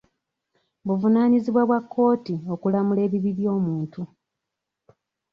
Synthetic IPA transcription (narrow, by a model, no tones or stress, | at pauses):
βuvunaːɲiziβwaβwakːo̞ːtio̞kulamule̞ːβiβiɾjo̞ːmuːntu